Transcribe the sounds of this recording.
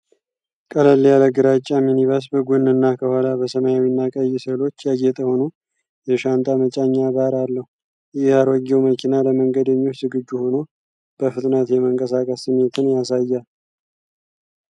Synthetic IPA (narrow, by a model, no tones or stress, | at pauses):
kʼələlːijaləɡɨɾat͡ʃʼːaminiβəs̬bəɡonːɨnːakʰəhalabəsəməjawinːakʼəjːɪsəlo̞t͡ʃːjaɡet̪ʼəho̞no | jɛʃant̪ʼamət͡ʃʼaɲːabaɾalːəhu | jɪhjaɾəɡɛwməkʰinaləməŋɡəd̪əɲːot͡ʃːzɨɡɨd͡ʒːuho̞no | b̥əfɨt̪ʼnət̪jɛməŋkʼəsakʼəsɨmːet̪ʰɨnjasajːal